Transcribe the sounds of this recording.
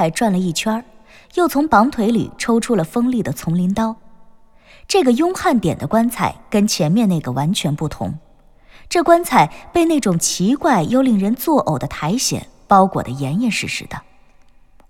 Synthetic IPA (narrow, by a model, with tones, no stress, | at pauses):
a˧˩ɪʈ͡ʂwa˥˩nlə˩i˥˩t͡ɕʰwɐ˥ | jo˥˩ʊt͡sʰʊ˧˥ŋpɑ˧˥ŋt̪ʰwe˧˥ɪlḭ˨˩ʈ͡ʂʰo˥ʊʈ͡ʂʰu˥lə˨fɤ˥ŋli˥˩d̪ə˩t͡sʰʊ˧˥ŋli˧˥nt̪ɑ˥ʊ | ʈ͡ʂɤ˥˩ɡə˩jʊ˥ŋxa˥˩nt̪jɛ˨˩nd̪ə˦kwa˥nt͡sʰa˨˩ɪkə˥nt͡ɕʰjɛ˧˥nmjɛ˥˧ne˥˩ɡə˩wa˧˥nt͡ɕʰɥɛ˧˥npu˥˩t̪ʰʊ̰˧˥ŋ | ʈ͡ʂɤ˥˩kwa˥nt͡sʰa˨˩ɪpe˥˧ɪne˥˩ɪʈ͡ʂʊ˨˩ŋt͡ɕʰi˧˥kwa˥˩ɪjo˥˧ʊli˥˩ŋɻə˧˥nt͡swɔ˥˩ʔo˨˩ʊd̪ə˦t̪ʰa˧˥ɪɕjɛ̰˨˩˦npɑ˥ʊkwɔ̰˨˩d̪ə˦jɛ˧˥ni˥˧nʂɻ̩˥˩ʂɻ̩̰˧˥d̪ə˧